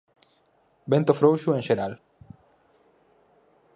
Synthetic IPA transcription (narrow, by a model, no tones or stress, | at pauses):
bent̪ofɾowʃuẽŋʃeɾal